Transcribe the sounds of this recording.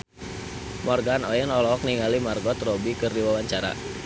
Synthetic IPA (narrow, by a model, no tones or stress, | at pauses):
mɔrɡanɔɛnɔlɔk̚niŋalimarɡɔt̪rɔbikɨrdiwawaɲt͡ʃaɾa̰